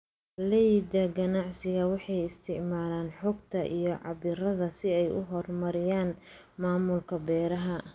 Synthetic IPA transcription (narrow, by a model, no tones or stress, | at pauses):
lɛjd̪ɐɡɐnɑʕsɪɣɐwɑħɑjɪst̪ʰɪʕmaːlaːnħɔɡt̪ʰɐʔijɞʕɑ̰bɪɾɐðɐsɪɛjʔʊ̰ɦɔrmɐɾɪjaːn | maːmʊlkʰɐbɛːɾɐɦɐ